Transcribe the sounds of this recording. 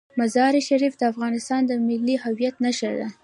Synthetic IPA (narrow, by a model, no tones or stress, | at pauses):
mazɑɾiʃaɾifd̪əafɣɑnɪst̪ɑnd̪əmɪlːihawjat̪naʃəɾd̪a̰